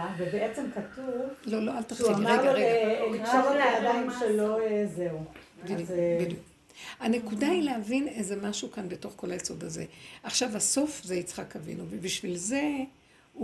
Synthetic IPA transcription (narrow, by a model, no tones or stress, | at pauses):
avebeʔet͡semkatuvlo̞lo̞alt̪aχtuiadmʁeʁeelioʁolaad̪aimʃeloezeu | bid̪ubid̪juk | hane̞kudailehavinezemaʃukanbeto̞χko̞lajeso̞d̪azeaχʃavaso̞fzeit͡sχakavḭnuvebiʃvilze̞ | u